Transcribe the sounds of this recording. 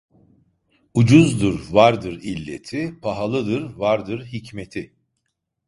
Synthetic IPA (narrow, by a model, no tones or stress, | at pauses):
ud͡ʒuzd̪ɯɾvaɾd̪ɯɾilʲːe̞̰t̪ʰipʰaɦalˠɯd̪ɯɾvaɾd̪ɯɾɦicmet̪ʰɪ